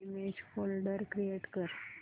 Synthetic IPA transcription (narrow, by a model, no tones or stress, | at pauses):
imed͡ʑfolɖəɾkɾieʈkəɾ